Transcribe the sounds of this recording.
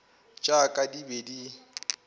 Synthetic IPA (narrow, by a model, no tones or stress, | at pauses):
t͡ʃʼakʼadibedi